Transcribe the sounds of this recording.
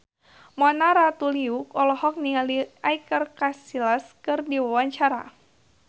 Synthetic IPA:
mɔnaɾat̪uliukɔlɔhɔk̚nialiajkərkasilaskɨrdiwawaɲt͡ʃaɾa̰

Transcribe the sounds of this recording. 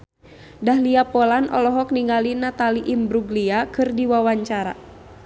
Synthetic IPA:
daɦliapɔlanʔɔ̰lɔɦɔkniŋɡalinat̪aliʔimbɾuɡliakɨrdiwawaɲt͡ʃaɾa̰

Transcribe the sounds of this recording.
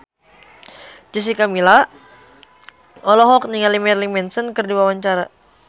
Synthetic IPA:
d͡ʒis̬ikamila | ɔlɔɦɔk̚niŋalimɛrlimɛnsənkɨrdiwawaɲt͡ʃaɾa

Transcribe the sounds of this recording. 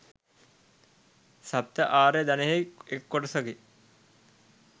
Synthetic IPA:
sap̚t̪əʔaːɾed̪aneɦeekːoʈəsɐki

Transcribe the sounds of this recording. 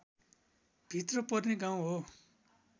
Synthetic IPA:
b̥ʱit̪rʌpʌrneɡaw̃ɦo

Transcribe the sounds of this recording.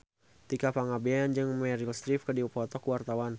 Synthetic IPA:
t̪ikapaŋabiajand͡ʒɨŋmɛɾilst̪ɾifkədipɔt̪ɔkəwart̪awan

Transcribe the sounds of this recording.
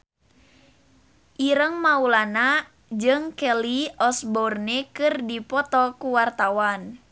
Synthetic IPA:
ʔiɾəŋmaulana | d͡ʒɨŋkɛliɔsbɔrnɛkɨrdipɔt̪ɔkuwart̪awan

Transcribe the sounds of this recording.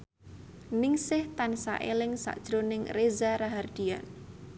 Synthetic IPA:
nɪŋsɪht̪ansa̰ʔelɪŋsa̰ʔd̥ʒ̥ɾonɪŋrezaɾaɦard̪̥ian

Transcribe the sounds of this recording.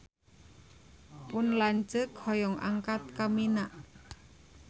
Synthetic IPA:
pʊnlaɲt͡ʃəkhɔjɔŋʔa̰ŋkat̪̚kaminaʔ

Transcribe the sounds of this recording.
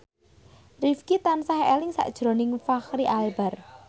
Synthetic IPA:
rifkit̪ansaɦɛelɪŋsa̰ʔd̥ʒ̥ɾo̤nɪŋfaxɾiʔalbar

